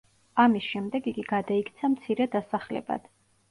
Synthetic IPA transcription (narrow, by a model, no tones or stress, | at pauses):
amisʃɛmd̪ɛɡiɡiɡad̪aikʰt̪sʰamt̪sʰiɾɛd̪asaχlɛ̰ba̰d̪̥